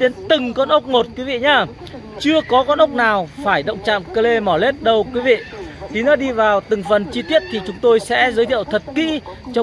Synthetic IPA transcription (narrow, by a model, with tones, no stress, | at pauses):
ɗe˨˦nt̪ɨ˨˩ŋkɔ˧nʔə˦˥k͡p̚mo˨˩t̚k̚wi˨˦vḭ˧˨ɲaː˧ | t͡ɕɨ˧əkɔ˨˦kɔ˧nʔə˦˥k͡p̚naː˨˩wfaː˧˩jɗə̰˧˨wŋ͡mt͡ɕa̰ː˧˨mkəː˧le˧mɔ˧˩le˦˥t̚ɗə˧wkwi˨˦vḭ˧˨t̪i˨˦nɔ˨˦ɗi˧vaː˨˩wt̪ɨ˨˩ŋfə˨˩nt͡ɕi˧t̪i˦˥ət̚t̪ʰi˨˩t͡ɕʊ˨˦ŋ͡mt̪o˧jsɛ̰˧˥zəː˨˦jt̪ʰḭ˧˨ə˨wt̪ʰə˨˩t̚kḭ˧˥t͡ɕɔ˧